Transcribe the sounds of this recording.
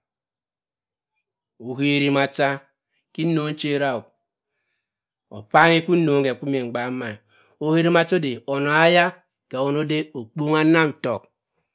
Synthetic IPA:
o˨ɦe˦ɾi˦ma˨ta˦ | ki˦no˦n̩˦t͡ʃe˦ɾa˦˨u˨ | o̰˨pa˦ŋe˦ku˦no˨˦ŋ˦ke˨ku˦me˨ŋ͡m̩˨ɡ͡ba˨˦ma˨ | o˦he˦ɾi˦ma˨to˦de˨o˨no˨a˦ja˦ | ke˨o˦no˦de˦o˨k͡po˦ŋa˦na˦m̩˨to̰˨k̚

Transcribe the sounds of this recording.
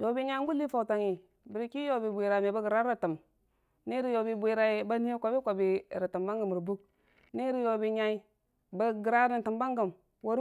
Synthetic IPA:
jo˨bi˦ɲa˦ŋ˦ɡu˦li˦fa˨ta˨ŋi˨ | bi˨ɾi˨ki˦jo˨bi˨bʷe˨ɾa˨me˨ba˦ɡə˨ɾa˦ɾa˨tə˨m | ni˦ɾi˦jo˨bi˨bʷe˨ɾa˨i˦ba˦ni˦e˦kʷa˨bi˦kʷa˨bi˨ɾi˨tɨ˨mba˦ŋɡə˨m˨ɾi˨bu˦k̚ | ni˦ɾi˦jo˨bi˨ɲa˦i˦ | ba˦ɡi˨ɾa˦ɾi˨tɨ˨mba˦ŋɡə˨m | wo˦ɾ

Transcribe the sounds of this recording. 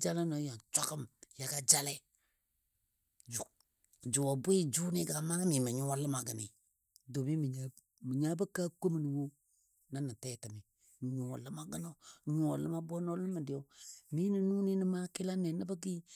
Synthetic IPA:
d͡ʒa˦la˦no˨˦ja˨n˨t͡ʃa˦kə˦mja˨ɡa˦d͡ʒa˦lɛ˦ | d͡ʒu˨ | d͡ʒu˨wɔ˨bi˦d͡ʒu˦ni˦ɡa˨ma˦ɡə˦mi˨mə˨ɲu˦a˦lə˦ma˨ɡə˨ni˨ | do˨mi˦mə˨ɲa˦ | mə˨ɲa˦bə˦ka˦ko˦mə˨ni˨wo˦ | na˦nə˨tɛ˦tə˨mi˨ | mə˨ɲu˨wa˨lə˦ma˦ɡə˦no˦˨ɲu˨a˨lə˦ma˦bo˦no˦lə˦mə˨dɪ˨˦o˨mi˦nə˨nu˦ni˦nə˦ma˦kɪ˦la˦nɛ˨nə˦bə˦ɡi˦

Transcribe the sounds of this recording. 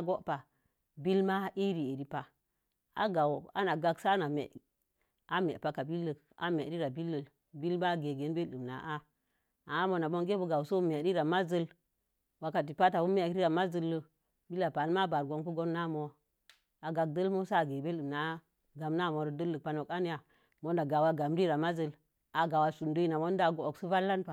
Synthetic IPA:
a˦ɡo˦ʔpa˨ | bi˦lma˦i˦ɾi˨e˨ɾi˦pa˨ | a̰˨ɡa˨wa̰˦na˨ɡa˦ksa˦na˨mḛ˨ʔ | a˦mḛ˨pa˨ka˨bi˦lːə˨k | a̰˨me˨ɾi˦ɾa˨bi˦lːə˨l | bi˦lma˦ɡe˨ɡe˨nbe˦lɨ˨mna̰˨ʔa˦ | a˨˦mo˨na˨bo˦nɡe˦bə˦ɡa˨wso˦me˨ɾi˦ɾa˨ma˦zə˦l | wa˨ka˨t̬i˨pa˦ta˨wu˦m˦a˨kɾi˦ɾa˨ma˦zə˦lːə˦ | bi˦lːa˨pa˨lma˦ba˨ɾɡo˦nku˦ɡo˦nːa˦˨mo˨ | a˨ɡa˨k̚də˦lmo˦sa˦˨ɡe˨be˦lɨ˨mna˨˦ | ɡa˨mna˦˨mo˨ɾə˨də˦lːə˨pa˨˦no˨ka˦n˦ja˨ | mo˦nda˨ɡa˨wa˦ɡa˨m˦ɾi˦ɾa˨ma˦zə˦˨l | a˨ɡa˨wa˨su˨ndo˦i˦na˨mo˦n˦da˨ɡo˨o˨ksu˦va˦lːa˦npa˨

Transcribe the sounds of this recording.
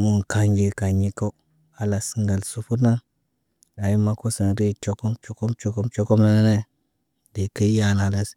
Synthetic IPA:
mu˨nka˨ɲɡi˨ka˨ɲi˦ka˦ | a˦la˨si˨ŋɡa˨lsu˨˦fu˦ɾna˦ | a˨ji˦ma˦ko˦sə˨n˨ɾi˦˨t͡ʃo˨ko˦mt͡ʃo˨˦ko˦mt͡ʃo˨ko˦mt͡ʃo˦ko˦mna˦na˦ne˦ | di˨kə˦ja˨na˨la˦s

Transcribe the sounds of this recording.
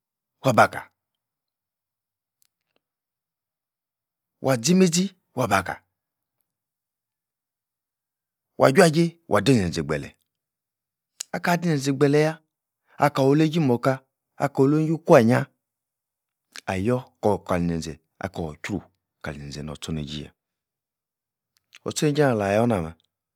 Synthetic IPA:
wa˨ba˨ka̰˨ | wʔa˨d͡zi˦me˦d͡zi˦ | wa˨ba˨ka̰˨ | wʔa̰˨d͡ʒʲʷa˦ɡi˦wʔa̰˨di˦˨e˨ze˨ɡ͡bɛ̰˨lɛ̰˨ | a˦ka˦˨di˦ne˨n˨e˨ɡ͡bɛ˨lɛ˨ja˦ | a˨ka˨wo˨le˦ɡi˦mo˨ka˦ | a̰˨ko˨lo˦i˦ku˦a˨ɲa˦ | a˨jɔ˦kɔ˨ka˨li˨ne˨n˨ze˨ | a̰˨ka˨o˨kʲɾṵ˨ | ka˨li˨ne˨ze˨no̰˨t͡so˦nḛ˨ɡḭ˦ja̰˨ | ɔ̰˨t͡so˦e˦d͡ʒi˦na˨la˨jɔ˦na˨ma˨

